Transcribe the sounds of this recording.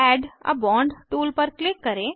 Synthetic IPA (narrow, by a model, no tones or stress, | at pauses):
ɛːɖə̰bɔ̃ːɳɖʈuːlpəɾklɪkːɐɾẽː